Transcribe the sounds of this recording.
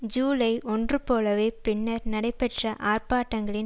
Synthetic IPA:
d͡ʒuːlɐɪɪʔɔndrɯpoːlɐʋeːpɪnːɐɾnɐɽɐɪpːɛʈrɐʔaːrpaːʈːɐŋɡɐɭɪ

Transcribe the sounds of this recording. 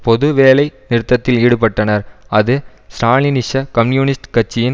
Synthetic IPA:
pɔðɯʋeːlɐɪnɪɾɯt̪ːɐt̪ːɪliːɽɯpɐʈːɐnɐɾɐðɯ | sʈaːlinɪʂɐkɐmnjuːnɪsʈkɐt͡ʃːɪjɪn

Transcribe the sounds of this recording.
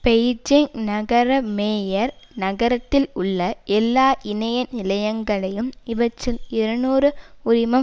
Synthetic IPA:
pɛjd͡ʒɪŋnɐɣɐɾɐmeːjɐɾnɐɣɐɾɐt̪ːɪlʊɭːɐʔɛlːaːʔɪnɐjɐnɪlɐjɐŋɡɐɭɐjɯmɪʋɐt͡ʃːɯmɪɾɐnuːrɯʊɾɪmɐ

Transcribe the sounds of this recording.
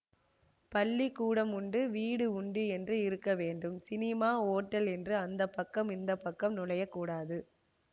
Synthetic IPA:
pɐlːikːuːɽɐmʊɳɖɯʋiːɽɯʊɳɖɯɛndrɯɪɾɯkːɐʋeːɳɖɯmsɪnɪmaːoːʈːɐlɛndrɯɐnd̪ɐpːɐkːɐmɪnd̪ɐpːɐkːɐmnʊlɐjɐkːuːɽaːðɯ

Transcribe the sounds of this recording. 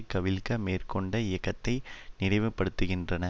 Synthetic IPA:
kːɐʋɪlkɐmeːrkɔɳɖɐɪjɐkːɐt̪ːɐɪnɪɽɐɪʋɯpːɐɽɯt̪ːɯɣɪndrɐnɐ

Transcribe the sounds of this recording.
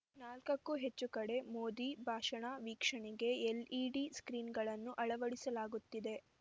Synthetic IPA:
naːlkɐkːuɦe̞t͡ʃːukɐɽe̞moːd̪ibʱaːʂɐɳaʋiːkʂɐɳiɡe̞eliːɖiskɾiːnɡɐɭɐnːuʔɐɭɐʋɐɽisɐlaːɡut̪ːid̪e̞

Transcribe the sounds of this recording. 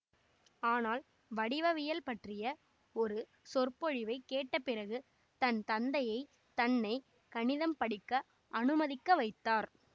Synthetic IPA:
aːnaːl | ʋɐɽɪʋɐʋɪjɐlpɐʈrɪjɐ | ɔɾɯ | sɔrpɔɻɪʋɐɪkːeːʈːɐpːɪrɐɣɯ | t̪ɐnt̪ɐnd̪ɐjɐɪ | t̪ɐnːɐɪ | kɐnɪðɐmpɐɽɪkːɐ | ɐnɯmɐðɪkːɐʋɐɪt̪ːaːɾ

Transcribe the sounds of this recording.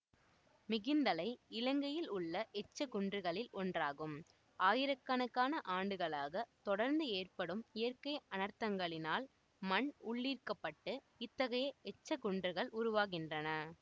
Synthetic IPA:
mɪɣɪnd̪ɐlɐɪɪlɐŋɡɐjɪlʊɭːɐʔɛt͡ʃːɐkʊɳdrɯɣɐɭɪlɔndraːɣɯm | aːjɪɾɐkːɐnɐkːaːnɐʔaːɳɖɯɣɐɭaːɣɐt̪ɔɽɐɾnd̪ɯeːrpɐɽɯmɪjɐrkɐɪɐnɐɾt̪ɐŋɡɐɭɪnaːl | mɐɳʊɭːiːrkɐpːɐʈːɯ | ɪt̪ːɐɣɐjɐɛt͡ʃːɐkʊɳdrɯɣɐɭʊɾʊʋaːɣɪndrɐnɐ

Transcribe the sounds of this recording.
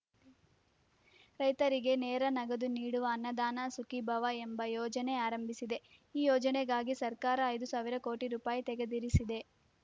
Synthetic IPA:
ɾɐjt̪ɐɾiɡe̞neːɾɐnɐɡɐd̪uniːɽuʋɐːnːɐd̪aːnɐsukibʱɐʋɐembɐjɔːd͡ʒɐne̞aːɾɐmbʱisid̪e̞iːjɔːd͡ʒɐneɡaːɡisɐɾkaːɾɐːjd̪usaːʋiɾɐko̞ːʈiɾuːpaːjit̪ɛɡe̞d̪iɾisid̪e̞

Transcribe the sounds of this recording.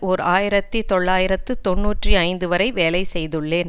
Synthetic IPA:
ɔɾaːjɪɾɐt̪ːit̪ɔɭːaːjɪɾɐt̪ːɯt̪ɔɳːuːʈriɐɪnd̪ɯʋɐɾɐɪʋeːlɐɪsɛjðɯɭːeːn

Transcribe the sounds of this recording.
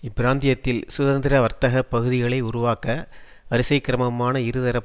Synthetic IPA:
ɪbɪɾaːnd̪ɪjɐt̪ːɪlsʊðɐnd̪ɪɾɐʋɐɾt̪ɐɣɐpːɐɣɯðɪɣɐɭɐɪʊɾʊʋaːkɐ | ɐɾɪsɐɪkːɪɾɐmɐmaːnɐɪɾɯðɐɾɐp

